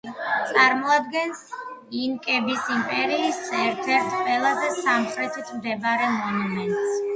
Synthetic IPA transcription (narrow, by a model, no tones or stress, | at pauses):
t̪sʼaɾmɔad̪̚ɡɛnsiŋkʼɛbisimpʼɛɾiːsɛɾt̪ʰɛɾt̪ʰqʼwɛlˠazɛsamχɾɛt̪ʰit̪ʰmd̪ɛbaɾɛmɔnumɛnt̪ʼs